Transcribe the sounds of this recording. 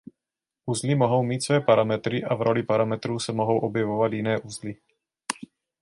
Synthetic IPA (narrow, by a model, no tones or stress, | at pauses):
ʔuzlimoɦo̞wmiːt̪svɛːpaɾamɛt̪ɾɪʔavɾʔo̞lipaɾamɛt̪ɾuːsɛmoɦo̞wʔobjɛvovat̪jɪnɛːʔuzli